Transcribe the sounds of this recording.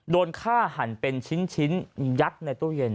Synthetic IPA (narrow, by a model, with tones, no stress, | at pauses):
doː˧nkʰaː˥˩ha˩˦npe˧nt͡ɕʰi˦˥nt͡ɕʰi˦˥nja˦˥t̪̚na˧jt̪u˥˩je˧n